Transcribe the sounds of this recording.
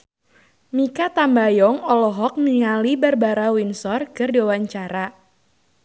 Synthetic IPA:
mikat̪ambajɔŋɔlɔɦɔk̚niŋalibərbaɾawinsɔrkɨrdiwawaɲt͡ʃaɾa

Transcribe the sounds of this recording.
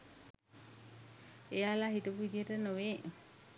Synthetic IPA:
ejalaɦit̪upuʋid̪ijəʈənoʋeː

